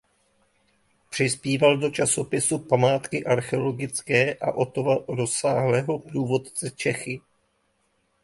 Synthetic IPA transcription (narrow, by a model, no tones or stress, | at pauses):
pr̝̥ɪspiːvaldo̞t͡ʃaso̞pɪsupamaːt̪kɪʔaɾxɛolo̞ɡɪt͡skɛːʔa̰ʔo̞t̪ovaɾo̞saːɦlɛːɦo̞pɾuːvo̞t̪t͡sɛt͡ʃɛxɪ